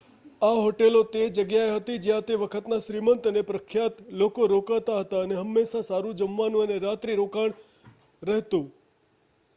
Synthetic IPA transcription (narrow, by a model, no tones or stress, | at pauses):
aɦoʈelot̪ed͡ʒəɡjaeɦət̪id͡ʒjãt̪eʋəkʰət̪naʃɾimənt̪ənepɾəkʰːjat̪lokoɾokaɭt̪aɦət̪aəneɦəmːeʃasaɾũd͡ʒəmʋanũəneɾat̪ɾiɾokaɳ̃ | ɾəɦt̪ũ